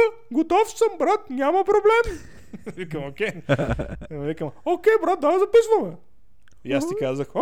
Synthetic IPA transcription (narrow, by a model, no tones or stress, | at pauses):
ɡot̪ɔfsəmbɾat̪̚nʲamɐpɾoblɛm | vikəmokʲɛ | vikəmokʲɛjbɾat̪̚d̪azɐpisnəmɛ | jast̪ikazəx